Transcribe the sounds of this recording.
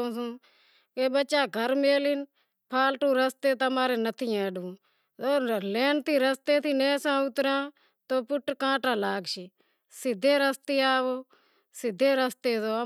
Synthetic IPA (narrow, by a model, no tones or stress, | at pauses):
õːsũː | keːbəːt͡ʃaːɡʱəɾmeːlɪn | pʰaːlʈũːɾəst̪eːt̪əmaːɾeːnət̪ʰiːɛ̃ːɖũː | oːleːnt̪ʰiːɾəst̪eːt̪ʰiːnẽːsãːʊt̪ɾãː | t̪oːpʊʈːkãːʈãːlaːɡʃi | sɪd̪ʱːeːɾəst̪eːaːʋoː | sɪd̪ʱːeːɾəst̪eːzoː